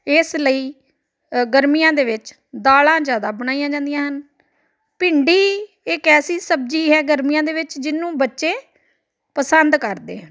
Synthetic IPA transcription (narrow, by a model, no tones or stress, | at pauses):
ɪsləiː | ɡəɾmijãːd̪eːʋɪt͡ʃ | d̪aːlãːd͡ʒjaːd̪aːbəɽaːijãːd͡ʒãːnd̪ijãːɦən | pɪɳɖiː | ɪkɛːsiːsəb̚d͡ʒiːɦɛːɡəɾmijãːd̪eːʋɪt͡ʃd͡ʒɪnːũːbətːʃeː | pəsənd̪kəɾd̪ḛːɦən